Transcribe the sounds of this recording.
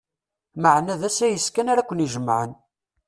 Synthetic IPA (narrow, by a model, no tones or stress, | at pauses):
məʕnæðæsæjəskænaɾækʷːəniʒəmːʕə̰n